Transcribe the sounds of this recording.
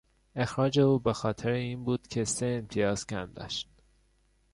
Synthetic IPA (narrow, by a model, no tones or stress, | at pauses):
e̞xɾɒːd͡ʒe̞uːbexɒːt̪ʰeɾeiːnbuːd̪̥cʲʰe̞seːmt̪ʰijɒːz̥cʰæmd̪ɒ̰ːʃt̪